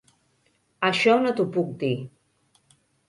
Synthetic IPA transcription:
aʃɔnot̪upuk̚d̪i

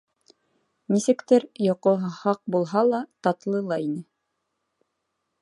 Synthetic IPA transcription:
nisɘ̆kt̪ɘɾjŏqoɦhɑq̚bulˠɦɑlˠɑt̪ɑt̪lˠɤlˠɑinɘ

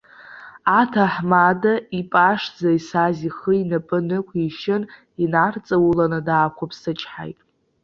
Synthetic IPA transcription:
atʰaħmadaipʼaʂd͡zaisaziχəinapʼɨnɨkʷʰiʃɪn | inart͡sʼawulanɨdaːkʷʰapʰsɨt͡ʃʼħa̰jtʼ

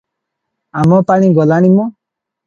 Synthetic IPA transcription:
amɔpaɽ̃ĩɡɔlaɽ̃imɔ

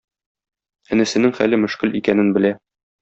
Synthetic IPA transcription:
ænɘ̆sɘ̆nɘŋχælɘmɵ̆ʃkɘlikænɘnbɘ̆læ

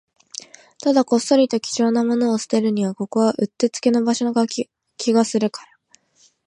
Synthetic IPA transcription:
t̪ad̪ako̞sːo̞ɾʲit̪o̞kʲi̥ʑo̞ːnamo̞no̞ːsɨ̥t̪e̞ɾɯ̟ɲ̟iβ̞ako̞ko̞βaʔɯ̟t̪ːe̞t͡sɨ̥ke̞no̞baɕo̞nɡa | kʲiɡasɨɾɯ̟kḁɾa

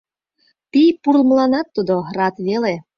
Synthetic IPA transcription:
t̪ipurlməlɑnɑt̪ːud̪orɑt̪βele

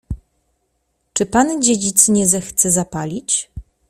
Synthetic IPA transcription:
t͡ʂɘpand͡ʑed͡ʑit̪sɲɛzɛxt̪sɛzapalʲit͡ɕ

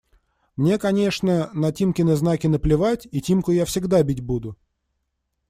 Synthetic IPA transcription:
mnʲe̞kɐnʲe̞ʂnənɐtʲimkʲɪnəznakʲɪnəplʲɪvatʲitʲimkʊjafsʲɪɡd̪abʲitʲbud̪ʊ

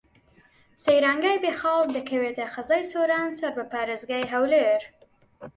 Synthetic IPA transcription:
sejɾaŋɡajbexɑɡ̚d̪əkawet̪axazɑjsoɾɑnsaɾbəpaɾɪzɡajɦawleɾ

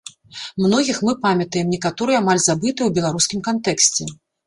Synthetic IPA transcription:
mnɔɣʲixmɨpamʲɐt̪ɐjɛmnʲɛkat̪ɔɾɨjɛamalʲzabɨt̪ɨwbʲɛlˠaɾuskʲimkant̪ɛksʲt͡sʲɛ

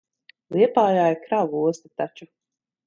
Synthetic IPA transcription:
lˠiɛpaːjaːjakɾavuɔst̪ḁt̪at͡ʃu

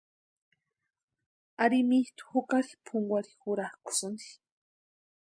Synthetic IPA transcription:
aɾimiht̪u̥xukaɾipʰuŋɡʷaɾixuɾahkʷu̥sɨnd̪i̥

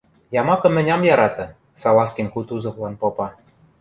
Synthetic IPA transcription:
jɑmɑkɤ̆mɘ̆nʲɑmjɑɾɑt̪ɤ̆ | sɑlˠɑskʲinkut̪uzɤ̆vlˠɑnpopɑ

